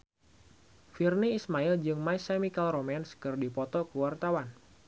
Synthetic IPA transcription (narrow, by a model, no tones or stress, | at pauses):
firniːsmaild͡ʒɨŋmaisemikalɾomɛnskɨrdipɔt̪ɔkəwart̪awan